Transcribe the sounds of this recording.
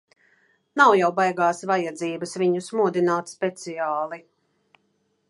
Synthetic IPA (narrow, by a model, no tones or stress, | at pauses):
nawjawbajɡaːsvajad̪ziːbɐsviɲusmuɔd̪inaːt̪spʲɛt̪siaːlˠi